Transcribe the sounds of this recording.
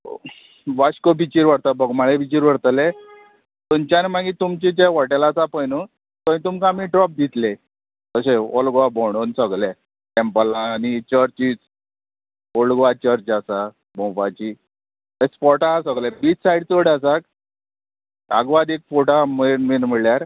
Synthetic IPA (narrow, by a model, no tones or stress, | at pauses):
ʋaɕkopit͡ɕiɾʋəɽt̪abʱəɡmaɭepit͡ɕiɾʋəɽt̪le | t̪oɲt͡ɕanemaɡĩt̪umt͡ɕed͡ʑeʋɔʈalasapəjnə | t̪ɔ̃ĩt̪umkamiɖɾɔp̚d̪ʱit̪le | t̪əseo̰lɡʋabɔɽ̃onsəɡle | ʈɛmpəlãnit͡ɕəɾt͡ɕiːt͡s | olɡʋat͡ɕəɾt͡ɕasa | bɔ̃wfat͡ɕi | espɔʈasəɡlebiːt͡ssajɽt͡soɽasak̚ | a̰ɡʋad̪ekfoʈamənminməɭjaɾ